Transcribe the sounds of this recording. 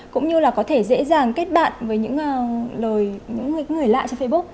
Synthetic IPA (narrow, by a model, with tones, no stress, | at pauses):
kʊ̰˧˥ŋ͡mɲɨ˧laː˨˩kɔ˨˦t̪ʰe˧˩zḛ˧˥zaː˨˩ŋke˦˥t̚ɓa̰ː˧˨nvəː˨˦jɲɨ̰˧˥ŋ˧ləː˨˩jɲɨ̰˧˥ŋ˨˩˦ŋ˨˩əjla̰ː˧˨jt͡ɕɔ˧fə˧jɓu˦˥k̚